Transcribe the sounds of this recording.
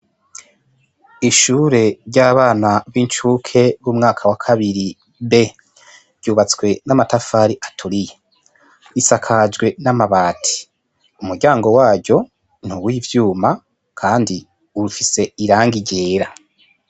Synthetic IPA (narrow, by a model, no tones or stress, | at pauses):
iʃuːɾe̞ɾɟaːβaːnaβint͡ʃukʰe̞βumŋaːkʰawakʰaβiɾi | βe̞ | ɾɟuːβat͡skwe̞namatafaːɾiʔatʰuɾije | isakʰad͡ʒɡwe̞namaβaːtʰi̥ | umuɾɟaːŋɡo̞waːɟɟo̞ | n̥uwiːvjuːma | kʰaːndi | uɾufise̞iɾaːŋɡiɟeːɾa